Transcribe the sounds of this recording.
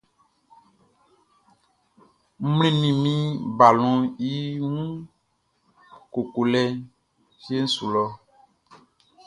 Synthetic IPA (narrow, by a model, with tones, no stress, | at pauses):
m̩˦mlĩ˦nĩ˨mĩ˦ba˨lɔ̃˨i˦wũ˦ | ko˨ko˨lɛ˦ | fi˦e˦n̩˦su˨lɔ˦